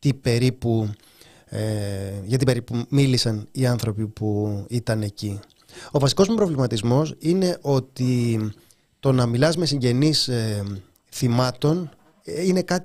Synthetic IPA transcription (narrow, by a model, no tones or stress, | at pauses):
t̪ibe̞ɾipu | ʝɐt̪ibe̞ɾipumilisɐniɐnθɾo̞pipuit̪ɐne̞ci | o̞vɐsiko̞zmupɾo̞vlimɐt̪izmo̞sine̞ʔo̞t̪i | t̪o̞nɐmilɐzme̞siɲɟe̞nis | θimɐt̪o̞n | ine̞kɐt̪